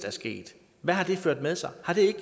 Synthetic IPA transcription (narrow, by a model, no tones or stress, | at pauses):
d̥æɐsɡ̥e̝̰ːd̥ | ʋæɦɑ̈d̥e̝føɐ̰d̥með̞ˠsɑ̈ɪhɑ̈ɾ̥e̝eɡ̥